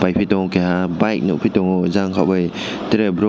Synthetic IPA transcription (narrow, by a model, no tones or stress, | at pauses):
b̥ajpʰitɔŋkeɦabajk̚nṵpʰitɔŋɔzaŋkʰawbɯj | teɾebɾɔ